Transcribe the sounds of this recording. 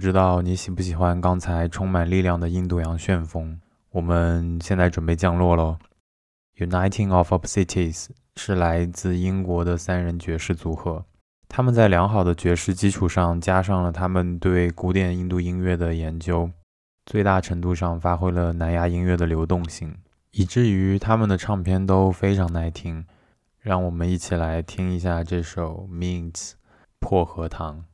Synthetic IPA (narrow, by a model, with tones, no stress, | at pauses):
ʈ͡ʂɻ̩˥t̪ɑ˥˩ʊni˧˥ɕi˨˩pu˥˩ɕ̬i˨˩xwa˥nkɑ˥ŋt͡sʰa˧˥ɪʈ͡ʂʰʊ˥ŋma˨˩nli˥˧ljɑ˥˩ŋd̪ə˩i˥˧nt̪u˥˩jɑ˧˥ŋɕɥɛ˥˩nfɤ˥ŋ | wɔ˨˩mə˦nɕjɛ˥˧nt͡sa˥˩ɪʈ͡ʂwə˨˩npe˥˧ɪt͡ɕjɑ˥˧ŋlwɔ˥˩lə˩ | ju˨˩na˥ɪt̪ʰi˥˧ŋɔ˥˩fɔ˧˩pʰsi˥t̪ʰi˥˩s | ʂɻ̩˥˩la˧˥ɪt͡sɹ̩˥˩i˥nkwɔ˧˥d̪ə˧sa˥nɻə˧˥nt͡ɕɥɛ˧˥ʂɻ̩˥˩t͡su˧˥xɤ˧˥ | t̪ʰa˥mə˨nt͡sa˥˩ɪljɑ˧˥ŋxɑ˨˩ʊd̪ə˦t͡ɕɥɛ˧˥ʂɻ̩˥˩t͡ɕi˥ʈ͡ʂʰu˨˩ʂɑ˥˩ŋt͡ɕja˥ʂ̬ɑ˥˩ŋlə˩t̪ʰa˥mə˨nt̪we˥˩ɪku˧˥t̪jɛ˨˩ni˥˧nt̪u˥˩i˥ŋɥɛ˥˩d̪ə˩jɛ˧˥nt͡ɕjo˥ʊ | t͡swe˥˧ɪt̪a˥˩ʈ͡ʂʰɤ˧˥ŋt̪u˥˧ʂɑ˥˩ŋfa˥xwe˥ɪlə˨na˧˥nja˥i˥ŋɥɛ˥˩d̪ə˩ljo˧˥ʊt̪ʊ˥˧ŋɕi˥˩ŋ | i˨˩ʈ͡ʂɻ̩˥˩y˧˥t̪ʰa˥mə˨nd̪ə˩ʈ͡ʂʰɑ˥˧ŋpʰjɛ˥nt̪o˥ʊfe˥ɪʈ͡ʂʰɑ˧˥ŋna˥˩ɪt̪ʰi˥ŋ | ɻɑ˥˩ŋwɔ˨˩mə˦ni˥˩t͡ɕʰi˨˩la˧˥ɪt̪ʰi˥ŋi˧˥ɕ̬ja˥˧ʈ͡ʂɤ˥˩ʂo˨˩ʊmi˥˩ŋt͡s̩ | pʰwɔ˥˩xɤ˧˥t̪ʰɑ˧˥ŋ